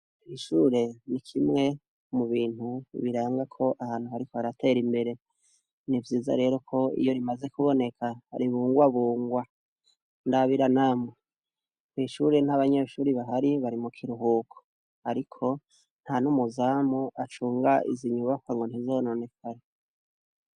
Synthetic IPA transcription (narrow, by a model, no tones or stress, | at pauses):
iʃuːɾe̞nikʰimŋe̞ | muβiːn̥huβiɾaːŋɡakʰo̞ʔahaːn̥huhaɾikoaɾatʰe̞ːɾimbe̞ɾe̞ | nivjiːza̰ɾe̞ːɾo̞kʰo̞ḭjo̞ɾimaze̞kuβo̞ne̞kʰaɾiβuːŋɡwaβuːŋɡwa | ndaβiɾanamwe | niːʃuːɾe̞n̥haβaɲeʃuːɾiβaɦaɾiβaɾimukʰiɾuɦuːkʰo̥ | aɾikʰo̞ | n̥hanumuzaːmuat͡ʃuːŋɡaḭziɲuβakwaŋɡo̞n̥hizono̞ne̞kʰaɾe